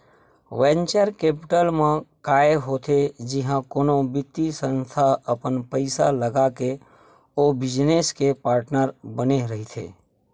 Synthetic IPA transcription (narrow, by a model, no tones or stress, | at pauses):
ʋɛ̃nt͡ʃəɾkeːpɪʈəlmẽkaːeɦoːt̪ʰed͡ʒɪɦãkoːnõbɪt̪ːisə̃nst̪ʰaəpənpəɪsaləɡake | obɪd͡ʒneskepaːɾʈnəɾbəneɾəɦit̪ʰḛː